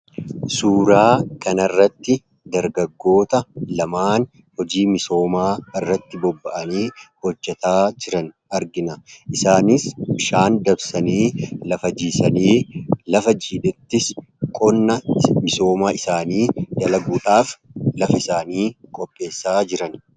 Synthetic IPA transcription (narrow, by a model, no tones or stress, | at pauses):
suːɾaːkɐnɐrːɐt̪ːɪ | d̪ɐɾɡɐɡːo̞ːt̪ɐlɐmaːn | hɔd͡ʒiːmɪso̞ːmaːɪrːɐt̪ːɪbɔbːɐʔɐniːhɔd͡ʒːɛt̪aːd͡ʒɪɾɐn | ɐɾɡɪnɐʔɪsaːnɪsbɪʃaːnd̪ɐbsɐniːlɐfɐd͡ʒiːsɐniːlɐfɐd͡ʒiːᶑɛt̪ːɪs | kʼɔnːɐmɪso̞ːmaːɪsaːniːd̪ɐlɐɡuːᶑaːflɐfɐɪsaːniːkʼɔpʼːe̞ːsːaːd͡ʒɪɾɐn